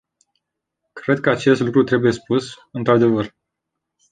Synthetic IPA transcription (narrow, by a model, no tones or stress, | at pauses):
kɾe̞d̪̚kəat͡ʃe̞st̪lukɾut̪ɾe̞buje̞spus | ɨnt̪ɾad̪e̞vər